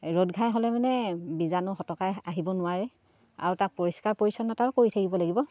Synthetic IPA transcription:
ɹodɡʱajɦɔlɛmanɛbizanʊxɔtɔkajaɦibɔnʊwaɹɛ | a̰ɹutak̚poɹiskaɹpoɹisɔnɔtaɹkoɹitʰakibɔlaɡibɔ

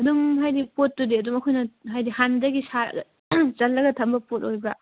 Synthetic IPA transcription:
ɐdumɦajdipot̚ːudiɐdumɐkʰojnɐɦajdihandɐɡisaɾ̰ | t͡ʃɐlːɐɡɐtʰɐmbɐpot̚ojbɐ

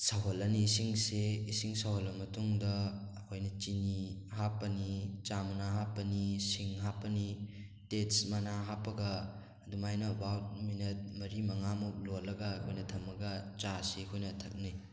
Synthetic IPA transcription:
saɦolːɐniːsiŋseisiŋsaɦolːɐmɐtuŋdɐː | kʰojnɐt͡ʃinihapːɐnit͡ʃamɐnaɦapːɐnisiŋɦapɐni | tetsmanaɦapɐɡa | dumajnɐbawt̚minɐt̚mɐɾimɐŋamup̚lolːɐɡakʰojnɐtʰɐmːɐɡat͡ʃasekʰojnɐtʰɐk̚ni

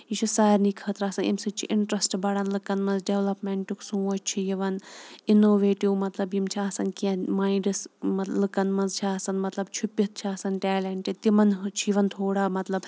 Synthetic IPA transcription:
it͡ʃʰusaːɾnikʰɐt̪ɾaːsɐnḭmsɨt͡ʃʰḭʔɪɳʈɾɐsʈbɐɽɐnlɨkɐnmɐnzɖeʋlɐpmeɳʈuksũːɐt͡ʃt͡ʃʰijiʋɐninoːʋeːʈiwmɐt̪lɐbjimt͡ʃʰiaːsɐnkiãmaːĩɳɖɐsmɐlɨkɐnmɐnzt͡ʃʰiaːsɐnmɐt̪lɐb̚t͡ʃʰupːit̪̚t͡ʃʰiaːsɐnʈɛːleɳʈit̪imɐnt͡ʃʰiiʋɐnt̪ʰoːɽaːmɐt̪lɐb

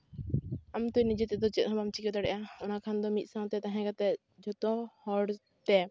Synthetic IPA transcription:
amt̪ujnid͡ʒɛt̪ɛd̪ɔt͡ʃɛt̪̚ɦɔbamt͡ʃikɛt̪aɽɛʔaɔnakʰand̪ɔmit̪̚sãw̃t̪ɛt̪aɦɛ̃ɡat̪ɛ | d͡ʒɔt̪ɔhɔɽ | t̪ɛ

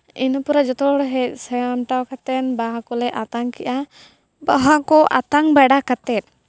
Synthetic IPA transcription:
inɔpuɾad͡ʒɔt̪ɔɽɦɛc̪̚ˀsɛjamʈawkat̪ɛnbaɦakɔlɛʔat̪aŋkɛʔa | baɦakɔʔa̰t̪aŋbaɖakat̪ɛt̪̚

